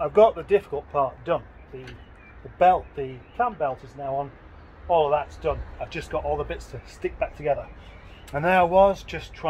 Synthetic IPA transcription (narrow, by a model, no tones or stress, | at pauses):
aɪvɡɑʔ̪̚ðədɪfɪ̥kəlˠt̚pʰɑɹt̚d̥ʌ̃n | ðɨ | ðəbɛlˠtðɨpʰl̥æ̃mbɛlˠtɨznaʊə̃n | ɔlˠʌvðətsd̥ʌ̃naɪvd͡ʒʌsɡ̥ɑɾɔlˠðəbɪtstʰəstɪk̚b̥ak̚tʰɨɡɛðə˞ | ə̃nðəaɪwʌzd͡ʒʌstʰɹ̥a